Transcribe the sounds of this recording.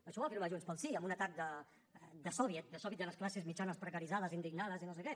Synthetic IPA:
əʃɔβafiɾmaʒunspəlˠsiəmunət̪ak̚d̪ə | d̪əsɔβjət̪̚d̪əsɔβit̪d̪ələsklasezmit͡ʃanəspɾəkəɾizað̞əzind̪iɡnaðəzinosəkɛ

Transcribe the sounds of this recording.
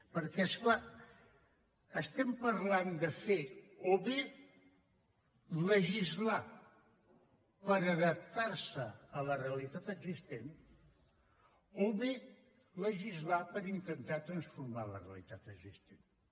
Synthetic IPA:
pəɾkɛskla | əst̪ɛmpəɾland̪əfeoβe | ləʒizla | pəɾəðəp̚t̪aɾsəələreəlit̪at̪əɡzist̪en | oβe | ləʒizlapəɾint̪ənt̪at̪ɾənsfuɾmalə̰rḛə̰lit̪at̪əɡzist̪en

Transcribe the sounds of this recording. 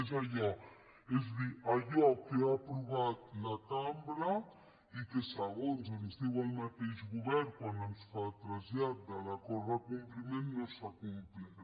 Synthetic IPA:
ezaʎɔ | ezd̪iaʎɔkeapɾuβat̪lat̪ambɾa | ikesaɣonzanuzd̪ewalmat̪eʒɣuβɛɾkwand̪ansfat̪ɾazjat̪̚d̪alakɔɾakumplimenːosakumpli

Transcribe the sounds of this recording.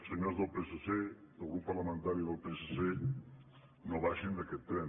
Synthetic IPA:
seɲoɾzðolpesosed̪̥oɣɾupːaɾlamẽnt̪aɾjoðolpesose | noβaʃĩnd̪eket̪ɾen

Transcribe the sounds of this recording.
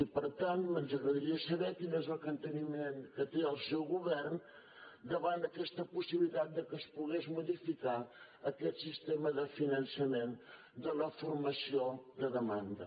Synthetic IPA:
ipəɾt̪anmənzəɣɾəðəɾiəsəβɛkinezəlˠkənt̪ənimenkət̪eəlˠsɛwɣuβɛrn | d̪əβand̪əkɛst̪əpusiβilit̪at̪̚d̪əkəspuɣezmuðifika | əkɛt̪sist̪eməðəfinənsəmen | d̪ələfuɾməsioðəðəmand̪ə̰

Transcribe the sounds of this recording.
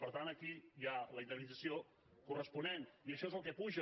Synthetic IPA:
pəɾt̪anəkijaləind̪əɾnid͡zəsio | kurəspuneniəʃɔezəlˠk̬ɛpuʒə

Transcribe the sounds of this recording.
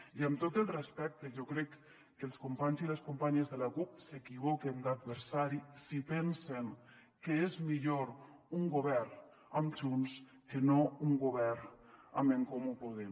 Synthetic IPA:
iəmt̪ot̪əlˠrespɛk̚t̪eʒokɾɛkː | əlˠskumpaɲziləskumpaɲəzðəlakup̚sekiβ̞okend̪ad̪̚βəɾsaɾisipɛnseŋ | kəezmiʎoɾ | uŋɡoβɛɾ | amt͡ʃuns | kənouŋɡoβɛɾameŋkomupuð̞em

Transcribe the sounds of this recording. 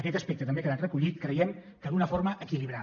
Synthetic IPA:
əkɛt̪əspɛk̚t̪ət̪əmbekəðanrəkuʎit̪kɾəjɛm | d̪əlˠɣunəfoɾməʔəkiliβ̞ɾa

